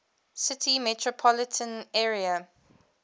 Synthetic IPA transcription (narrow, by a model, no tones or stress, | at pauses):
sɪtʰimɛtʰɹɔpʰɔlɪtʰə̃nɛːɹiə